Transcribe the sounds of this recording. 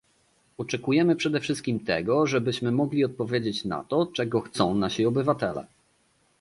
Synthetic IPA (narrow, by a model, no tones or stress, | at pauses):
ɔt͡ʂɛkujɛmɘpʂɛd̪ɛfʂɘst̪̚kʲimt̪ɛ̰ɡɔʐɛbɘɕmɘmɔɡlʲiɔt̪̚pɔvʲjed͡ʑet͡ɕna̰t̪ɔt͡ʂɛɡɔxt̪sɔ̃w̃naɕiɔbɘvat̪ɛlɛ̰